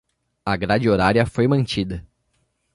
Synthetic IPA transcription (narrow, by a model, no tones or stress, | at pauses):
ɐɡɾad͡ʒɪoɾaɾiɐfojmɐ̃nt͡ʃid̪ɐ